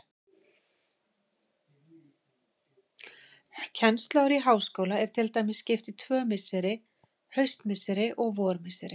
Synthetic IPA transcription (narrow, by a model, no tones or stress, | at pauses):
cʰɛnst̪lawɾiɦaːwskowlaɛɾ̥t̪ʰɪlt̪ajmɪsːcɪft̪it̪ʰvœːmɪsɪɾɪ | hœɥst̪mɪsɪɾɪʔɔɣvɔːɾmɪsɪɾɪ